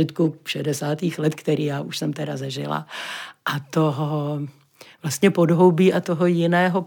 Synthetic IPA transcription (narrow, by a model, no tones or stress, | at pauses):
ɪt̪kufʃɛdɛsaːt̪iːxlɛt̪kt̪ɛɾiːjaːʔuʃsɛmt̪ɛɾazɛʒɪ̰la̰ʔat̪oɦo | vlast̪ɲɛpo̞dɦowbiːʔat̪oɦojɪnɛːɦo